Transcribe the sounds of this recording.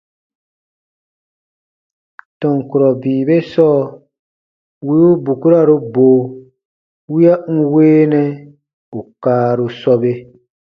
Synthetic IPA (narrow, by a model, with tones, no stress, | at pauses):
tɔ̃˨ŋ˨ku˨ɾɔ˨biː˨be˦sɔː˦˨ | wi˦u˦bu˨ku˦ɾa˦˨ɾu˦boː˨ | wi˦a˦ŋ̩˦weː˦nɛ˦ | u˨kaː˦ɾu˧sɔ˧be˦